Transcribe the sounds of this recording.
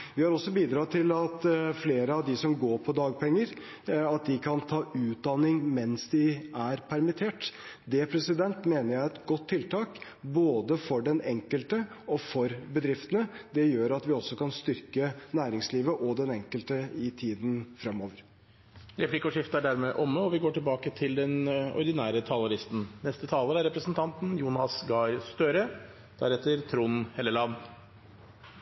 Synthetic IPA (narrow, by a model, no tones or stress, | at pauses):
ʋɪhɑɾɔsːɔbiːd̪ɾɑːt̪ʰɪlɑt̪fleːɾəɑʋd̪ɪsɔmɡoːɾpʰɔd̪ɑːɡ̚pʰɛŋːəɾ | ɑt̪̚d̪ɪkʰɑnt̪ʰɑːʉːt̪̚d̪ɑnɪŋmɛnsd̪ɪæɾpʰæɾmɪt̪ʰeːʈ | d̪ɛpʰɾɛsɪd̪ɛnt̪meːnəɾjæɪɛt̪ɡɔt̪ʰːɪlt̪ʰɑːk | boːd̪əfɔɖɛnɛŋkəlt̪ə | ɔfɔɾbəd̪ɾɪft̪ənəd̪ɛjøːɾɑt̪ʋɪɔsːɔkɑnst̪ʏɾkənæːɾɪŋsliːʋəʔɔd̪ɛnɛŋkəlt̪əɪt̪ʰiːd̪nfɾɛmoːʋəɾ | ɾɛpʰlɪkɔʂɪft̪əæɖæɾmɛʔɔmːəɔʋɪɡoːʈʰɪlbɑːkət̪ʰɪld̪ɛnɔ̰ɾɪd̪ɪnæːɾət̪ʰɑːlɑɾɪst̪n̩nɛst̪ət̪ʰɑːləɾæɾɛpɾəsnt̪ʰɑnt̪njuːnɑsɡɑɪst̪øːɾə | d̪̥æ̰ɾɛt̪ːəɾt̪ʰɾunhɛlːəlɑn